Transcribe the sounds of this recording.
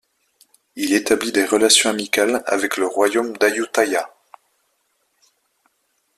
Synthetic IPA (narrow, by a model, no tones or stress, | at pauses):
ilet̪ablid̪eʁəlasjɔ̃amikala̰vɛkləʁwajomd̪ajut̪aja